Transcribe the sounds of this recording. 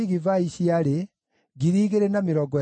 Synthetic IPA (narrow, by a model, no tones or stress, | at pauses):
iɣivaiɕiaɾe | ɡiɾiːɣeɾenamiɾɔɡɔ